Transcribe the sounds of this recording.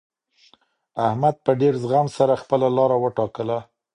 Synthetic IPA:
ahmad̪̚pəɖeɾzɣamsaɾaxpəlalɑɾawəʈɑkəla

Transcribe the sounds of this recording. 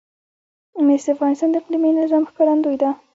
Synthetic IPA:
mesd̪iafʁɑnɪst̪ɑnd̪qlimenɪzɑmxkɑɾand̪ujd̪a

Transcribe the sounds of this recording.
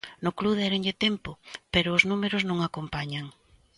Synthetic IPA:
nʊkluðɛɾeŋʎɪt̪ɛmpʊpeɾʊːznumeɾʊznõŋakompaɲaŋ

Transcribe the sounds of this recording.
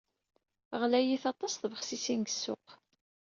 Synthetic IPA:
ʁlæjiθɑt̪ˤːɑsθvəχsisinɡəsːʊ̰q

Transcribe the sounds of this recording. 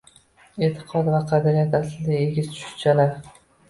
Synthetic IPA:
e̞ːt̪ʰɪ̥qʰɒd̪vaqʰɑd̪ɪɾijat̪aslɪd̪aeɡʲɪzt̪ʰʊ̥ʃɪ̥t͡ʃʰalaɾ

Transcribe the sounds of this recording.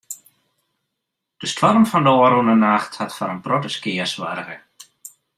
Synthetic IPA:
d̥əstʰɔrmfɔndəoːəɾunənaxthatfɔnənprɔtəskɪːərsʋa̰rɣə

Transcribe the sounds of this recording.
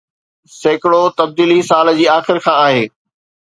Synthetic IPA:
seːkɪɽot̪ɐb̚d̪iːlisaːld͡ʑiːaːxɪɾkʰãːaːɦeː

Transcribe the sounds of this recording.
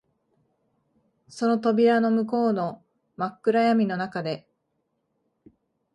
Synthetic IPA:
so̞no̞t̪o̞bʲiɾano̞mɯ̟ko̞ːno̞ | makːɯ̟ɾajamʲino̞nakad̪e̞

